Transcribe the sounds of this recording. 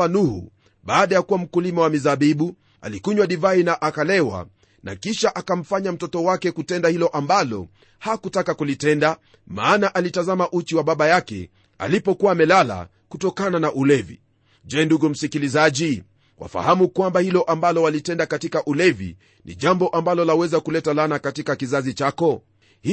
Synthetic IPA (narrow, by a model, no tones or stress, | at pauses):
anuhṵ | ɓaːɗajakuwam̩kulimawamizaɓiɓu | a̰likuɲwaɗivainaʔakalɛwa̰ | na̰kiʃaʔakam̩faɲam̩tɔtɔwakɛkutɛndahilɔʔambalɔ̰ | hakutakakulitɛnda | maːnaʔalitazamaʔut͡ʃiwaɓaɓajakɛ̰ | a̰lipɔkuwaːmɛlala̰ | kutɔkananaʔulɛvḭ | ʄɛːnduɡum̩sikilizaʄi | wʔa̰fa̰hamukwambahilɔʔambalɔwalitɛndakatikaʔulɛvḭ | nʔḭʄambɔʔambalɔlawɛzakulɛtalanakatikakizazit͡ʃakɔ | h